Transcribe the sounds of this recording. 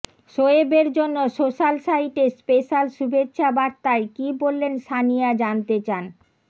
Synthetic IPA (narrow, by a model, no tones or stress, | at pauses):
ʃoebeɾd͡ʑonːoʃoʃalʃaiʈispeʃalʃubetːɕʰabaɾt̪aekibolːenʃanijad͡ʑant̪et͡ɕan